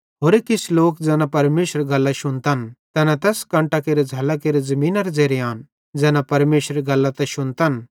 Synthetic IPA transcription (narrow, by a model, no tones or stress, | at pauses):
ɦoːɾekɪsʰloːkd͡zɛːnapɐɾmeːʃəɾɡɐlːaʃʊnt̪ant̪ɛːnat̪ɛːskɐ̃ɳʈakeːɾed͡zʱɐlakeːɾezɐmĩːnaɾed͡zeːɾeaːn | d͡zɛːnapɐɾmeːʃɾɡɐlːat̪ɛʃʊnt̪an